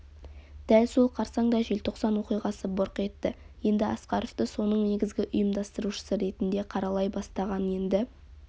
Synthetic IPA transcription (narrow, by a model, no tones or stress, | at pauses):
d̪̥ælso̞lˠqʰɑɾsɑɴd̪ɑʒe̞lt̪ʰo̞qsɑnwo̞qijʁɑsəboɾqe̞t̪ːɪ | je̞nd̪ɪɑ̰sqɑɾoft̪əso̞nəɴne̞ɡʲɪzɡʲɪʔʊjəmd̪ɑst̪əɾuʃə̥səɾe̞t̪ɪnd̪e̞qʰɑɾɑlˠɑjbɑst̪ɑʁɑnje̞nd̪ɪ